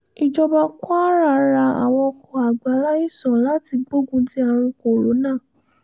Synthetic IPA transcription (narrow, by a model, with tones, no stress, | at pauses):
i˨d͡ʒɔ˧ba˧kɔ˦a˦ɾa˧ɾa˧a̰˨w̃ɔ̃˧ɔ˧kɔ˨a˨ɡ͡ba˨˦la˦i˦˨sɔ̃˨la˦ti˧ɡ͡bo˦ɡũ˧ti˦a˧ɾ̃ũ˧ko˨ɾo˨˦nãː˦˨